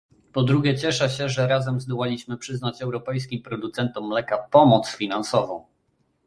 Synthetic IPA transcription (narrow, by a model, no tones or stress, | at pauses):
pɔd̪ɾuɡʲɛt͡ɕɛʂɛɕɛʐɛɾazɛmzd̪ɔwalʲiɕmɘpʂɘznat͡ɕɛwɾɔpɛjs̬kʲimpɾɔd̪ut̪sɛnt̪ɔmːlɛkapɔmɔt̪sfʲinansɔvɔ̰̃w̃